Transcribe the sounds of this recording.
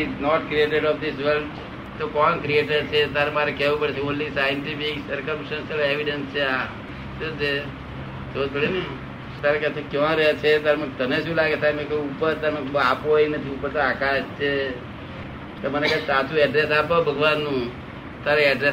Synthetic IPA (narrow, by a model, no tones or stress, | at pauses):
inɔʈkɾieʈeɖɔfd̪isʋəlɖ | t̪okɔnkɾieʈəɾt͡ʃʰet̪aɾemaɾekɛʋũpəɽet͡ʃʰeonlisajənt̪ifiksəɾkəmʃənsəleʋiɖənst͡ʃʰea | d͡ʒod͡ʒe | t̪ot̪ʰoɽinĩ | t̪aɾekɛt̪okjɔ̃ɾəɦet͡ʃʰet̪aɾemt̪əneʃũlaɡet̪ʰaɾemɛ̃koupəɾt̪aɾmɛ̃apooinət̪ʰiupəɾt̪oakaʃt͡ʃʰe | t̪omənekɛsat͡ʃʰuɛɖɾesapobʱəɡʋanːũ | t̪aɾeɛɖɾe